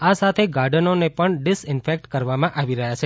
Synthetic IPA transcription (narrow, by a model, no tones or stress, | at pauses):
asat̪ʰeɡaɾɖənonepəɳɖɪsɪnfek̚ʈkəɾʋamãʔaʋiɾəɦjat͡ʃʰe